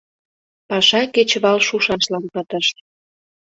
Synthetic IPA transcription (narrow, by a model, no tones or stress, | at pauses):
pɑʃɑket͡ɕβɑlʃuʃɑʃlɑnpət̪əʃt̪̚